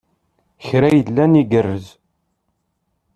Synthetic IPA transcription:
çɾæjəlːæniɡərːəz

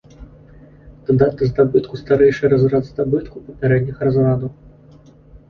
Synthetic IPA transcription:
t̪ad̪at̪ːɨzd̪abɨt̪kust̪aɾɛjʂɨjɾazɾad̪zd̪abɨt̪kupɐpʲaɾɛd̪ʲnʲixɾazvad̪ɐw

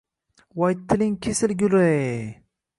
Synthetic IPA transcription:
wɑjt̪ʰːɪlɪŋkʲʰesɪlɡʲʊle

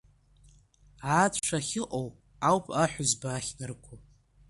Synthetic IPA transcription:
aːtʰʈ͡ʂʰaχʲɪʔʼow | awpʰʼaħʷᶣʊzbaːχʲnɨrkʷʰu

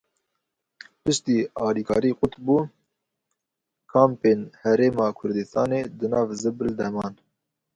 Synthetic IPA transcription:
pɨʃt̪iːɑːliːkʰɑːɾiːqʊt̪buː | kʰɑːmpeːnhɛɾeːmɑːkʰʊɾd̪ɨst̪ɑːneːd̪ɨnɑːvzɨbɨld̪ɛmɑːn

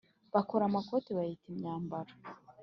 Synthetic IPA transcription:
βakoɾamakotiβahitimɲaːmbaɾa

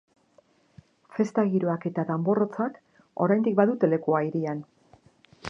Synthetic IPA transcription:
fe̞st̪aɣiɾoake̞t̪aðambo̞ro̞t͡sak | o̞ɾajnd̪ik̚baðut̪e̞le̞kuaiɾian

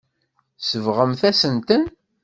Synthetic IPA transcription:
səvʁəmθæsənt̪ən

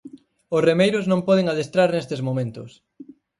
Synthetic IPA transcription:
ʊsremejɾʊznõmpɔð̞eŋaðest̪ɾaɾnest̪ezmomẽnt̪ʊs

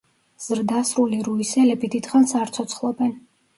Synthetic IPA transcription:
z̥ɾd̪asɾuliɾuisɛlɛbid̪id̪χansaɾt̪sʰɔt̪sʰχlˠɔbɛn

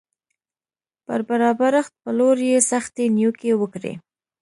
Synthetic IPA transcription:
pə̰ɾbaɾɑbaɾaxt̪̚pəloɾjesaxt̪enjukewəkɾḛ

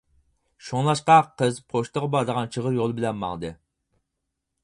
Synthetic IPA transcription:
ʃoŋlˠɑʃqɑqʰəzpʰoʃt̪əʁbɑd̪əʁɑnt͡ʃʰəʁəɾjolˠbɪlɛnmɑ̰ŋd̪ɨ

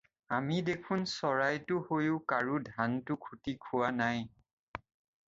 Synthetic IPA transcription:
amidekʰʊnsɔɹajtʊhojʊkaɹudʱantʊkʰutikʰuwanaj

